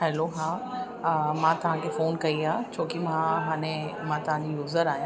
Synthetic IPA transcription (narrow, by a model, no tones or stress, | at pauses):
ɦɛloɦãː | mãt̪ɐʋ̤ãkʰefoːnkɐiaːt͡ɕʰoːkimãɦaːɽ̃emãt̪ɐʋ̤ãd͡ʑijuːzəɾaːɦjã